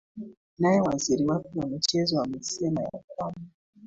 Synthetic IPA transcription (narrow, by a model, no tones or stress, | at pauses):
najɛwaziɾiwakɛwamit͡ʃɛzɔwamɛsɛmaja̰k̚wama